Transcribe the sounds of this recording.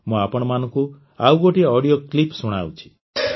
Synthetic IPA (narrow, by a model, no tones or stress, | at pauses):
mũapɔɽ̃ɔmanɔ̃ŋku | awɡɔʈiaɔɽijoklipsuɽ̃awt͡ʃʰi̥